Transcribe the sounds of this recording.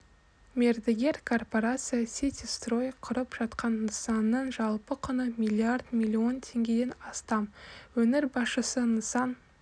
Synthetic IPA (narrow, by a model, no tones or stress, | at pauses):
mʲe̞ɾd̪eɡʲe̞ɾkʰo̞rpo̞ɾat̪sɨjasʲit̪ʲist̪ro̞jqʰʊɾəpʒ̥ɑt̪qɑnːəsɑnːəɴʒɑlˠpəqʰʊnəmʲilʲːiard̪mʲilʲːio̞nt̪ʰe̞ŋɡʲe̞d̪e̞nɑst̪ɑmwɵnɪɾbɑsʃəsənəsɑn